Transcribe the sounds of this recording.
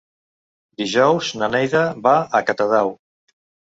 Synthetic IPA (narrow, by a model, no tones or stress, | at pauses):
d̪iʒɔwznanɛjðaβaəkat̪aðaw